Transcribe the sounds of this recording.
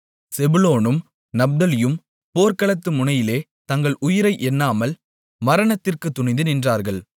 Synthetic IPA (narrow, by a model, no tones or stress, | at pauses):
sɛbɯloːnɯm | nɐb̚d̪ɐlɪjɯm | poːɾkɐɭɐt̪ːɯmʊnɐjɪleː | t̪ɐŋɡɐɭʊjɪɾɐɪʔɛnːaːmɐl | mɐɾɐɳɐt̪ːɪrkɯt̪ːʊɳɐɪnd̪ɯnɪndraːɾɣɐɭ